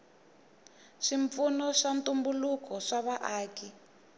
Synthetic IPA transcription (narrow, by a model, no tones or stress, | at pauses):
ʂiɱp̪funɔʂantʼumbulukɔʂaβaʔaːki